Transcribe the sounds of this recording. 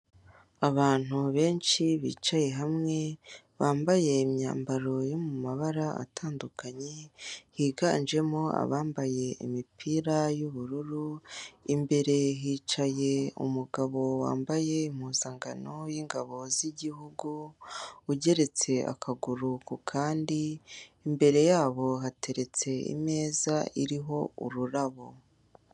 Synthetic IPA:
aβaːn̥uβe̞ːnt͡ʃiβḭːt͡ʃaje̞ɦamŋe̞ | βaːmbaje̞imɲa̰ːmbaɾo̞jo̞mumaβaɾaa̰tʰaːndukaɲehiːɡa̰nd͡ʒe̞mo̞a̰βaːmbaje̞ḭmipʰiːɾajuβuɾuɾuimbe̞ɾe̞ɦiːt͡ʃaje̞ṵmuɡaβo̞wa̰ːmbaje̞imhuːzaŋɡano̞jiːŋɡaβo̞ziɟiɦuɡu | uɟe̞ɾe̞t͡se̞ʔa̰kʰaɡuɾukukʰaːndiimbe̞ɾe̞jaːβo̞ɦate̞ɾe̞t͡se̞ḭme̞ːzaiɾiɦo̞ṵɾuɾaβo̞

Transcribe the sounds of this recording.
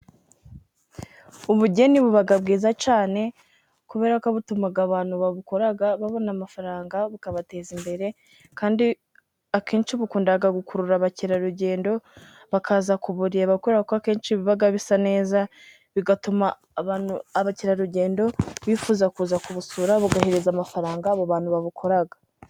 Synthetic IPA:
uβuɟe̞niβuβaɡabɡiːzat͡ʃaːne̞ | kuβe̞ːɾakaβutumaɡaβaːn̥huβaβuko̞ɾaɡaβaβo̞namafaɾaːŋɡaβukaβate̞ːzimbe̞ɾe̞ | kaːndi | akʰeːnʃiβukuːndaɡaɡukuɾuɾaβaciɾaɾuɟe̞ːndo̞ | βakʰaːzakuβuɾijaβakuɾakoakeːnt͡ʃiβiβaɡaβisane̞ːza | βiɡatumaː | βaːnuaβaciɾaɾuɟe̞ːndo̞βifuːzakuːzakuβusuɾaβuɡahiɾizamafaɾaːŋɡaːβaβaːnhuβaβukʰo̞ɾaɡḁ

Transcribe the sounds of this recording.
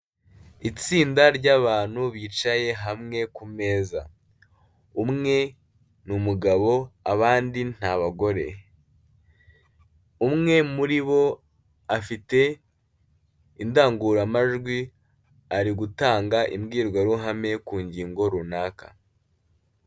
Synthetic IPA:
it͡siːndaɾɟaːβaːn̥huβiːt͡ʃaje̞ɦamŋe̞kume̞ːza̰ | umŋe̞ | numuɡaβo̞aβaːndin̥haβaɡo̞ɾe̞̰ | umŋe̞muɾiβo̞ | afite̞ | indaːŋɡuɾamaʒɡwi | aɾiɡutaːŋɡaʔḭmɡiːɾɡwaɾuɦame̞kuːɲɟiːŋɡo̞ɾunaːka̰

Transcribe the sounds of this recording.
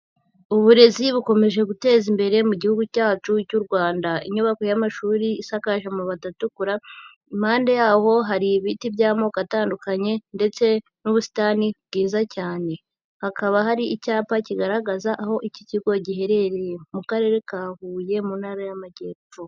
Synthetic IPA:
uβuɾe̞ziβuko̞me̞ʒe̞ɡute̞ːzimbe̞ɾe̞muɟihuɡucaːt͡ʃucuɾɡwaːndaiɲuβako̞jamaʃuːɾiːsakaʒamuβatatukuɾa | imhaːnde̞jaːho̞ɦaɾiβitiβjaːmo̞kataːndukaɲe̞nde̞t͡se̞ | nuβusi̥tanibɡiːzacaːne̞ | hakʰaβaɦaɾiʔicaːpaciɡaɾaɡazaʔaho̞ʔiciciɡo̞ɟihe̞ɾe̞ɾejemukaɾe̞ɾe̞kaːhuːje̞munhaɾajamaɟe̞ːpo

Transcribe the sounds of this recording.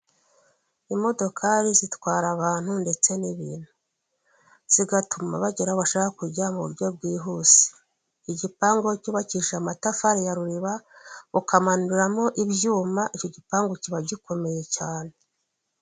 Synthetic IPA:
imo̞do̞kʰaɾizitwaːɾaβaːn̥hunde̞t͡se̞niβḭːn̥hu | z̥iɡatuma̰βaɟeɾaoβaʃaakakuɾɟamuβuɾɟo̞b̚ɡiːɦuːsi̥ | iɟipaːŋɡo̞cuβaciʃamatafaɾejaɾuɾiβaβukamanuiɾamo̞ʔibjuːmaʔico̞ɟipaːŋɡociβaɟiko̞me̞je̞caːne̞

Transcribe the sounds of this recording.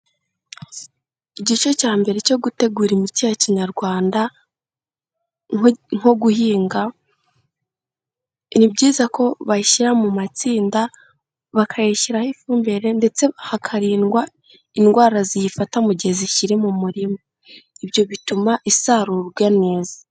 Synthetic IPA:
iɟit͡ʃo̞caːmbe̞ɾe̞co̞ɡute̞ɡuːɾimitijaciɲaɾɡwaːnda | ŋ̥o̞ɡuɦiːŋɡa | nibɟiːzako̞βaʃiɾamumat͡siːnda | βakʰajiʃiɾahifuːmbe̞ɾe̞nde̞t͡se̞hakʰaɾiːnɡwa | inɡwaːɾazijifatamuɟeziʃiɾimumuɾimo | ibjo̞βitumaʔisaɾuɡwane̞ːzḁ

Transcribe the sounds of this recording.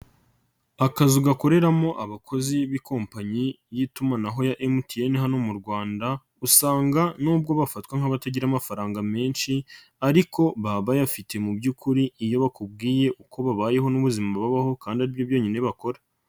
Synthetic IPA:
akazuɡako̞ɾe̞ɾamo̞ʔaβakʰo̞ziβiko̞ːmpaɲi | jitumanaɦo̞jaʔemutʰijeniɦano̞muɾɡwaːnda | usaːŋɡanuːb̚ɡo̞βafatkwaŋ̥haβataɟiɾamafaɾaːŋɡame̞ːnʃi | aɾikʰo̞βaβajafitʰe̞mubɟukuɾiijo̞βakub̚ɡiːje̞ʔuko̞βaβaːje̞ɦo̞nuβuzimaβaβaho̞kaːndiaɾiβjobjo̞ːɲine̞βako̞ɾa

